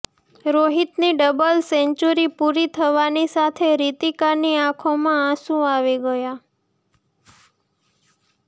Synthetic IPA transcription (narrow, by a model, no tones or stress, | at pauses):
ɾoɦit̪niɖəbəlsɛ̃ɲt͡ʃuɾipuɾit̪ʰəʋanisat̪ʰeɾit̪ikaniãkʰomããsũaʋiɡəja